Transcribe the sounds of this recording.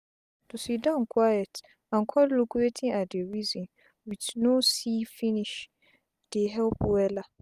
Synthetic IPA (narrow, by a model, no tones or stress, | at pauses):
tʰusidãnkʰwajɛt | ãnkʰɔlokuetʰɪ̃ŋadɪɛɹizɔ̃n | witnosifĩniʃ | d̥eɦɛlpwɛla